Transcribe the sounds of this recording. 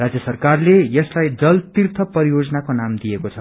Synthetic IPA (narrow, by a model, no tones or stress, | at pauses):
rad͡zjʌsʌrkarlejʌslajd͡zʌlt̪irt̪ʰʌpʌɾijod͡zʌnakonamd̪ijekot͡sʰʌ